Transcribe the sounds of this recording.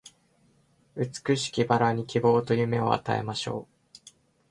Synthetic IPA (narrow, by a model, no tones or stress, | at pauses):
ɯ̟t͡sɨ̥kɯ̟ɕi̥kʲibaɾaɲ̟ikʲibo̞ːt̪o̞jɯ̟me̞o̞̰a̰t̪a̰e̞̰maɕo̞̰ː